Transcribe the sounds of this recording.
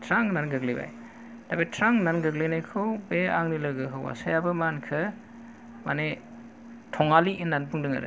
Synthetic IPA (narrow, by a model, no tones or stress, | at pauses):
tʰɾaŋnanɡɯkliba̰j | d̥abajtʰɾaŋnanɡɯklenajkʰɯwbeaŋnilɯɡɯɦʰɯwwa̰sajabɯmankʰɯ | mane | tʰɔŋaliʔinːanpɯŋdɯŋa̰ɾɯ̰